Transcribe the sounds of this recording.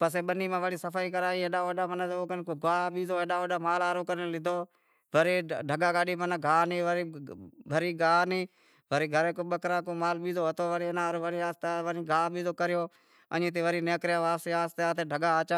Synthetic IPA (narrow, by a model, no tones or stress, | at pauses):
pəseːɓəniːmãːʋəɽiːsəfʰaːiːkəɾaːĩːeːɗãːʋəɗaːmənət̪ːoːkənkoːɡaːɓiːzoːeːɗaːʋəɗaːmaːlaːɾoːkəɾlɪd̪ʱoː | ʋəɾeːɖʱəɡaːɡaːɗiːmənaːɡʱaːniːʋəɾiʋʱəɾiːɡaːniː | ʋəɾiːɡʱəɾeːkoːɓəkɾãːkoːmaːlɓiːzoːət̪ʰoːʋəɽiːnaːɾoːʋəɽiːaːst̪eaːʋənĩːɡaːɓiːzoːkəɾɪjoː | ə̰nĩːt̪eːʋəɾiːneːkɾjaːʋaːt̪eːaːst̪eaːt̪eːɖʱəɠaːt͡ʃaː